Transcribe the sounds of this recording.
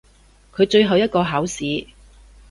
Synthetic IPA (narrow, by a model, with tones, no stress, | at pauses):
kʰɵ˨˧ɥt͡ʃɵ˧ɥɦɐ˨wjɐ˥t̚kɔː˧ɦaː˨˥wsiː˨˧